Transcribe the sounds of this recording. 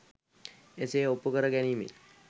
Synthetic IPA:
eseopːukəɾəɡænimḭl

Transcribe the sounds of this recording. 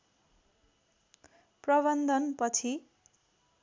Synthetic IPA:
prʌβʌnd̪ʱʌnpʌt͡sʰi

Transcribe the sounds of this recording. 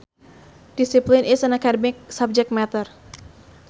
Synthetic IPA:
d̥isiplinɪsənakadmɪk̚sap̚d͡ʒɛk̚t̚mɛt̪ər

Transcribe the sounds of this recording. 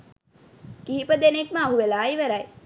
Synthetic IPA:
kiɦipəd̪enekməaɦuʋelaːjʋæɾaj

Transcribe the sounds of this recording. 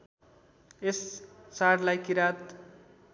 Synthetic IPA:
essaɽlajkiɾat̪

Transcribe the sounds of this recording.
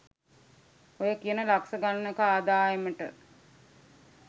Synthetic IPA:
ojəkijənəlaksəɡanːəkaːd̪aːeməʈə̰

